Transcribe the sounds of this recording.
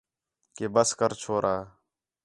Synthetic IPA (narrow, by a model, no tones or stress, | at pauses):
keːbəskəɾt͡ʃʰoːɾʔaː